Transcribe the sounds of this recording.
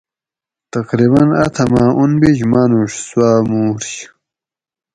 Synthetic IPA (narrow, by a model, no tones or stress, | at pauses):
t̪ɐqɾiβɐnɐt̪ʰɐmaːʔunbiʑmanuʂswaːmuːɾɕ